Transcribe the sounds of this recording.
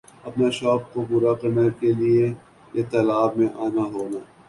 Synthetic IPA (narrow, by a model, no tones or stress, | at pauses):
ɐpnaʃɔːk̚kobʊɾaqɪnəɾkelie | jet̪ɐlaːbmẽʔaːnaɦoːnaː